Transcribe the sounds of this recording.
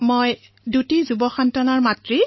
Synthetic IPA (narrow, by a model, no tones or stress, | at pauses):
moj | dutizubɔxantɔnaɹmatɹi